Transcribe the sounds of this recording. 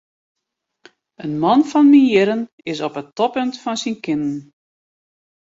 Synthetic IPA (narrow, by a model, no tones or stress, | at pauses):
ənmɔnfɔnmiɪɾən | ɪsɔpətɔpøntfɔnsinkɪnn̩